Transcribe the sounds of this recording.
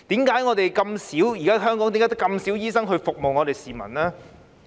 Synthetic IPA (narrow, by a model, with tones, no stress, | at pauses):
t̪iː˨˥mkaː˨˥jŋɔː˨˧t̪e˨jkɐ˧msiː˨˥wjiː˨˩kaː˥ɦœː˥ŋkɔː˨˥ŋi˨˥kːaː˨˥t̪kɐ˧msiː˨˥wjiː˥sɐ˥ŋɦɵ˧ɥfʊ˨k̚mo˨wŋɔː˨˧t̪e˨jsiː˨mɐ̰˨˩nlɛː˥